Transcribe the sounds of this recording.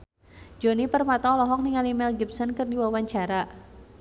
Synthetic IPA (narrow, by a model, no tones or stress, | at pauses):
d͡ʒɔnipərmat̪ɔlɔɦɔk̚niŋalimɛlɡip̚sɔnkɨrdiwawaɲt͡ʃaɾa